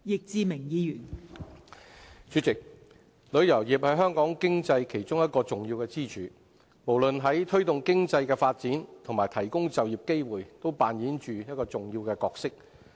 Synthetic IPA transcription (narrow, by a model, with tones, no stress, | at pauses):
jɪ˨k̚t͡siː˧mɪ˨˩ŋjiː˨˧jyː˨˩n | t͡ʃy˨˥t͡sɪ˨k̚ | lɵ˨˧ɥjɐ˨˩wji˨p̚hɐ˨˥jɦœː˥ŋkɔː˨˥ŋkɪ˥ŋt͡sɐ˧jkʰe˨˩jt͡ʃʊ˥ŋjɐ˥t̚kɔː˧t͡sʊ˨˩ŋjiː˧wkɛ˧t͡siː˥t͡ʃʰyː˨˥ | mo˨˩wlɵ˨nɦɐ˨˥jt̪ʰɵ˥ɥt̪ʊ˨ŋkɪ˥ŋt͡sɐ˧jkɛː˧faː˧t̚t͡siː˨˥nt̪ʰŋmaː˨˩jt̪ʰɐ˨˩jkʊ˥ŋt͡sɐ˨wjiː˨˩p̚ke˥jwuː˨˩jt̪o˥wpaː˨njiː˨˥nt͡ʃyː˨jɐ˥t̚kɔː˧t͡sʊ˨ŋjiː˧wkɛː˧kɔː˧k̚sɪ˥k̚